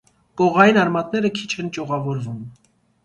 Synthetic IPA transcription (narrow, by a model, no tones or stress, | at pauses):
kɔʁɑjinɑɾmɑt̪̚nɛɾəkʰi̥t͡ʃʰɛnt͡ʃɔʁɑvɔɾvum